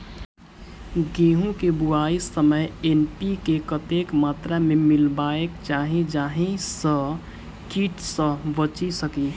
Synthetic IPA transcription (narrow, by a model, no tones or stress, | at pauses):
ɡeːɦũkebʊaːisəməjenpikekət̪ekmaːt̪ɾamẽmɪlbaːekt͡ʃaːɦĩd͡ʒaːɦĩsə̃ | kiːʈsə̃ʋət͡ʃisəki